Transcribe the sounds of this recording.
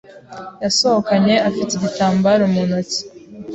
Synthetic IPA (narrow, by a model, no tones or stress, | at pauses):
jasohokaɲe̞afiteɟitaːmbaɾomunot͡si̥